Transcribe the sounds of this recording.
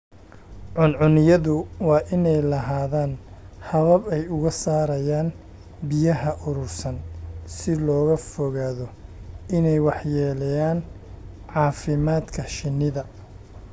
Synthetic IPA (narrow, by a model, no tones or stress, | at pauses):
ʕʊnʕʊnɪjɐðʊwɑːʔɪnɛjlɐɦaːðaːn | hɐβɐbɛjʊɣɐsaːɾɐjaːn | bɪjɐɦɐʔʊɾʊrsɐnsɪlɔːɣɐfɔɣaːðɔɪnɛjwɑħjɛːlɛjaːn | ʕɑːfɪmaːd̪kʰɐʃɪnːɪðɐ